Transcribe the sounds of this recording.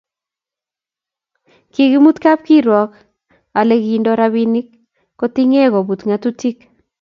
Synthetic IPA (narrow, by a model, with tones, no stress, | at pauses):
kɪ˨ɣi˦mu˦t̪ka˦p̚ki˦ɾwɔ˨k | a˨le˦ɣi˨ndo˦ɾa˦βi˦nɪ˦kː | o˦t̪i˦ŋe˦ɣɔ˨bu˨t̪ŋa˨t̪u˦ti˦k